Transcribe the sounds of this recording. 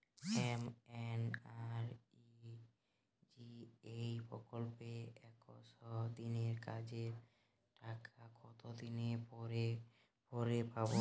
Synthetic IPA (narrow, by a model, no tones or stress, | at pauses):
emenaɾi | d͡ʒiejpɾɔkolpeɛkosɔd̪ineɾkad͡ʑeɾ | ʈakʰakɔt̪od̪ineɾe | pɔɾepabo